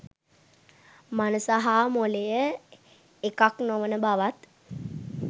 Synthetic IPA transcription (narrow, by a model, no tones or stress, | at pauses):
manəsaɦaːmolejə | ekaknoʋənəbaʋat̪